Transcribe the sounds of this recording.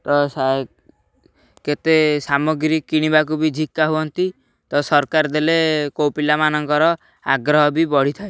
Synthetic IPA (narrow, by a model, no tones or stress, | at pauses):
t̪ɔsa | ket̪esamɔɡɾikkiɽ̃ibakubid͡ʒʱikːaɦuɔnt̪i | t̪ɔsɔɾkaɾd̪elekowpilamanɔŋkɔɾɔ | aɡɾɔɦɔbibɔɽ̤it̪ʰae